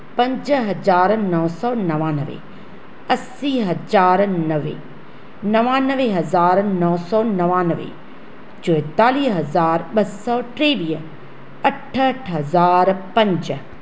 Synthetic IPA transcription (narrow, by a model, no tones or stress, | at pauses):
pɐ̃ɲd͡ʒɦɐzaːɾnɔːsɔːnɐʋaːnəʋḛ | ɐsiːɦɐzaːɾnəʋḛː | nɐʋaːnəʋeɦɐzaːɾnɔːsɔːnɐʋaːnəʋḛ | d͡ʒʊjt̪aːliːɦɐzaːɾɓɐsɔːʈɾeːʋiːə | ɐʈʰəʈʰɦɐzaːɾpɐ̃ɲd͡ʒ